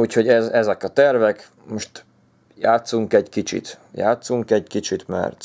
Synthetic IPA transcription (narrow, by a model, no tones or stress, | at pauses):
uːcho̞ɟɛzɛzɛkɒt̪ɛrvɛk | moʃt̪ | jaːt̪suŋkɛɟkit͡ʃḭt̪ja̰ːt̪suŋkɛɟkit͡ʃit̪mɛ̰rt̪